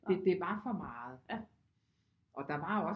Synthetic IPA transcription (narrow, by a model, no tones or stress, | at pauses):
ed̥e̝bɑ̈ːfɒ̽mɑ̈ːð̩ˠ | ʔɒ̽d̥ɑ̈ʋɑ̈ːɒ̽